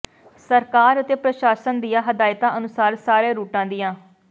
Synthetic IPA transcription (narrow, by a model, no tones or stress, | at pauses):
səɾkaːɾət̪eːpɾəʃaːsənd̪ijãːɦəd̪aːɪt̪ãːʔənʊsaːɾsaːɾẽːɾuːʈãːd̪ɪjãː